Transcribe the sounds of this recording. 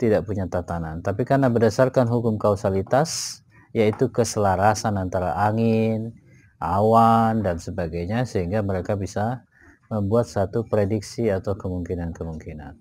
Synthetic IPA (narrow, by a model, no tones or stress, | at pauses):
t̪idaʔpuɲat̪at̪anant̪apikarnabərdasarkanɦukʊmkawsalit̪as | jait̪ukəsəlaɾasanant̪aɾa̰ʔaŋɪn | ʔawandansəbaɡajɲasəɦiŋɡaməɾekabisa | məmbuat̪̚sat̪upɾediksiat̪awkəmuŋkinankəmuŋkina̰n